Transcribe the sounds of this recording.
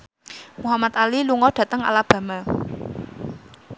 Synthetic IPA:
muɦamat̪aliluŋɔɖ̥ä̤t̪əŋa̰lab̥ä̤ma

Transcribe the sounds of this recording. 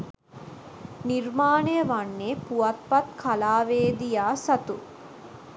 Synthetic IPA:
niɾmaːɳejəʋɐɳːeːpuɐt̪̚pɐt̪kʰɐlaːʋeːd̪ijaːsɐt̪u

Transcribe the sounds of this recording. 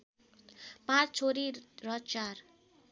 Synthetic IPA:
pãt͡sʰt͡sʰoɾiɾʌt͡ʃar

